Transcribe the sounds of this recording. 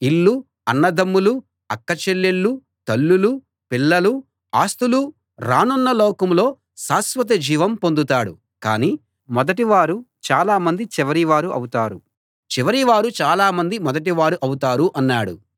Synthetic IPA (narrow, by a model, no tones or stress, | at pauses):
ilːu | ɐnːɐd̪ɐmːulu | ɐkːɐt͡ʃelːeɭːu | t̪ɐlːulu | pilːɐlu | aːst̪ulu | ɾaːnunːɐlɔːkɐmlo̞ː | saːsʋɐt̪̬ɐd͡ʒiːʋɐmpond̪ut̪aːɽṵ | ka̰ːniː | mɔd̪ɐʈiʋaːɾut͡ʃaːlaːmɐnd̪it͡ʃiʋɐɾiʋaːɾuʔɐ̰wut̪aːɾṵ | t͡ʃiʋɐɾiʋaːɾut͡ʃaːlaːmɐnd̪imɔd̪ɐʈ̬iʋaːɾuʔɐwut̪aːɾuʔɐnːaːɽṵ